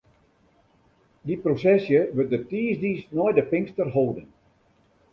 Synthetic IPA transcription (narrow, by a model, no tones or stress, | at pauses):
diprosɛsjəʋøt̚dətiːzdiːsnɔjdəpɪŋstərɦoːdən